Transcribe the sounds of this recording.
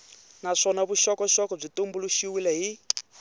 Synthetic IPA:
naʂɔnaβuʃɔkɔʃɔkɔb͡ʐitumbuluʃiwilɛɦi

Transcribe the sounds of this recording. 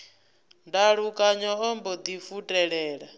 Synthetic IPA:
ndaɺukʼaɲɔɦɔmbɔd̪ifutʼɛɺɛːɺa

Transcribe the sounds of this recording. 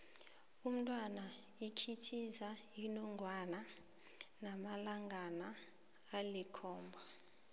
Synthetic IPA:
um̩tʼwana | ikʰitʰizajinɔŋɡʱwana | namalaŋanaː | likʰɔːmbʱɔ

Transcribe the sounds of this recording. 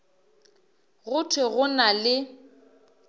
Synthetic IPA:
ɣʊtʰwɪɣʊnalɪ

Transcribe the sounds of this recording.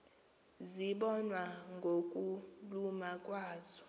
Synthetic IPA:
ziɓɔnwaŋɡʱokʼulumakʼwaːzɔ̥

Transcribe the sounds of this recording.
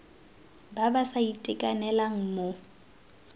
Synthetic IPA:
babasaitʼɪkʼanɛlaŋ̩mo

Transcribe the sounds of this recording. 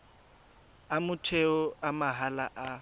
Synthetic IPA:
amʊtʰeʊamaɦala̰ʔa

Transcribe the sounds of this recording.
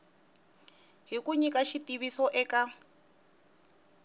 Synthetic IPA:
ɦikuɲikʼaʃitʼiβisɔʔɛkʼa

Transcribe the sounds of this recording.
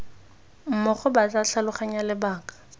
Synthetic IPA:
m̩mʊχʊbat͡saɬalʊχaɲalɪbaːkḁ

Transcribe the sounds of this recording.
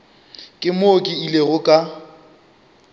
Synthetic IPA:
kʼɪmokʼɪileɣʊkʼa

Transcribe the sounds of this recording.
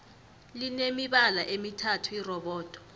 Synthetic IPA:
linemiɓalaʔemitʰatʰuirɔɓɔːd̥ʱʼɔ̥

